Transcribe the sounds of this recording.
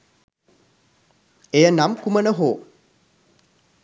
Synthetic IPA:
ejənamkumənəɦoː

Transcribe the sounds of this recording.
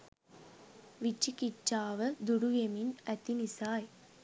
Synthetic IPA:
ʋit͡ʃːikit͡ʃːaːʋəd̪uɽujeminæt̪inisaːj

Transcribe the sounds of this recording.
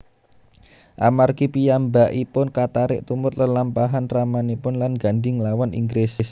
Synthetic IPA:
ʔamarkipijambaʔipʊnkat̪aɾɪ̰ʔt̪umʊt̪ləlampaɦanramanipʊnlanɡaɳɖɪŋlawanʔḭŋɡɾesɪs

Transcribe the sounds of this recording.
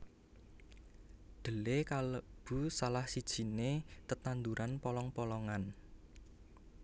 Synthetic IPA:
d̪̥ə̤lekaləb̥ṳsalahsid̥ʒ̥i̤net̪ət̪and̪uɾʔanpɔlɔŋpɔlɔŋan

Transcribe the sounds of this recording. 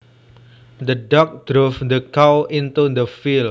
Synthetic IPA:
d̪əɖɔk̚d̥ɾufd̪əkawint̪ud̪əfil

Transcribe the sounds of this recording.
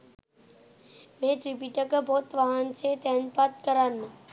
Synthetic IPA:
mẽʈɾipiʈəkəbʱoːt̪ʋaɦənt͡ʃʰet̪enpat̪̚kəɾanːə

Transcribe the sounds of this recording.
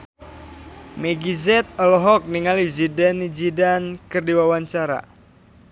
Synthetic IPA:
mɛɡizɛt̪̚ɔlɔɦɔk̚niŋalizidɛnid͡ʒidankərdiwawaɲt͡ʃaɾa̰

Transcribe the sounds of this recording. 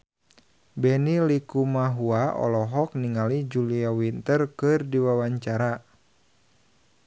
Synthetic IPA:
bɛnilikumaɦuaɔ̰lɔɦɔk̚niŋalid͡ʒuliawint̪ərkɨrdiwawaɲt͡ʃaɾa

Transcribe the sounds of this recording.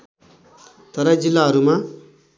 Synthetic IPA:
t̪ʌɾʌd͡zilːaɦʌɾuma

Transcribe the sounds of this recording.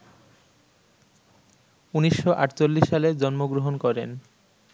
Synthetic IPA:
uniʃːoʔaʈt͡ɕolːiʃːaled͡ʑɔnmoɡɾoɦonkɔɾen

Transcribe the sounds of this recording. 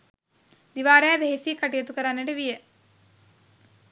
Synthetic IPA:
d̪iʋaːɾejabeɦesiːkaʈijət̪ukəɾanːeʈəʋijə

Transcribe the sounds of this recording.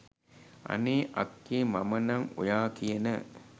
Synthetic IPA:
ʔɐ̰neːʔɐkːeːmɐmənɐŋo̰jaːkijənə

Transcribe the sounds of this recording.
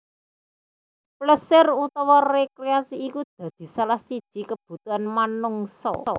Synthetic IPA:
pləsɪrut̪ɔwɔrekɾeasiːkud̪̥ä̤d̪̥i̤salahsid̥ʒ̥i̤kəb̥ṳt̪uanmanʊŋsɔ̰ɔ̰

